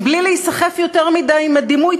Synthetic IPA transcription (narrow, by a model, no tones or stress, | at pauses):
blileisaχefjo̞t̪eʁmid̪ajimad̪imuj